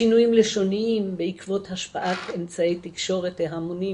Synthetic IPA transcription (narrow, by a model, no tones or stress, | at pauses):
inujimleʃoniimbeikvo̞t̪haʃpaʔatemt͡saejt̪ikʃo̞ʁet̪leɦamoni